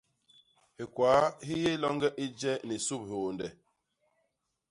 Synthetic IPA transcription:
he˨kwa˨˦hi˦je˦lɔ˦ŋɡɛ˦ʔi˦d͡ʒɛ˦ni˨su˦˨p̚hoː˨ndɛ˨

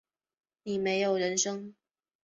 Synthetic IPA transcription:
ni˨˩me˧˥ɪjo˨˩ʊɻə˧˥nʂɤ˥ŋ

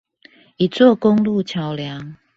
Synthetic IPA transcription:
i˨˩t͡swɔ˥˨ko˦ŋlu˥˨t͡ɕʰja˨˦ʊlja˨˦ŋ

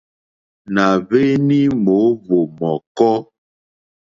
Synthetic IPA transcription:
na˨ve˦ni˦mo˨˦vo˨mɔ˨kɔ˦

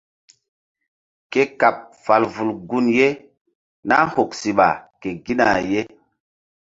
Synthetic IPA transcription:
ke˦ka˨p̚fa˨lvu˨lɡu˦nje˦ | na˦ho˨ksi˨ɓa̰˨ke˨ɡi˦na˨je˦

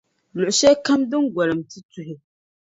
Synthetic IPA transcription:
lʊ˨ʔʊ˨ʃɛ˦ka˦mdɨ˦ŋɡʷa˨lɨ˨mtɨ˦tu˦ɦɪ˦

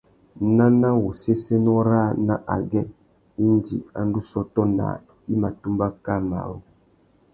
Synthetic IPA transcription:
nã˦na˦wo˨se˦se˦nɔ˦ɾa˦˨na˦ʔa˨ɡɛ˦ | i˦n˦d͡ʒḭ˨a̰˨n˦du˦sɔ˦tɔ˦na̰˨ | i˦ma˨tu˦mba˦ka˦˨na̰˨wo˨

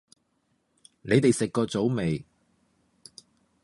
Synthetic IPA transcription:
ne˨˧jt̪e˨jsɪ˨kːɔː˧t͡so˨˥wme˨j

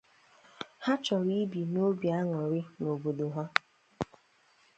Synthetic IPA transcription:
ha˦t͡ʃɔ˨ɾi˦bi˨no˦bja˦ŋɔ˨ɾɪ˦no˨bo˨do˨ɦa˦

